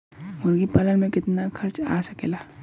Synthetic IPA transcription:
mʊɾɡipɐlənmẽkɪt̪nakʰɐɾt͡ʃa̰ːsəkeːlaː

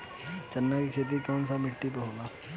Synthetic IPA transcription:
t͡ʃənːakikʰeːt̪̬ikjɔːnsamɪʈːipəɦoɡaː

